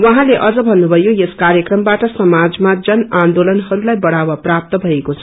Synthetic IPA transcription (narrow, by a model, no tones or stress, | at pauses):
wʌɦãleʔʌd͡zʌbʱʌnːubʱʌjojeskaɾjʌkrʌmbaʈʌsʌmad͡zmad͡zʌnand̪olʌnɦʌɾulajbʌɽ̤awaprap̚t̪ʌbʱʌekot͡sʰʌ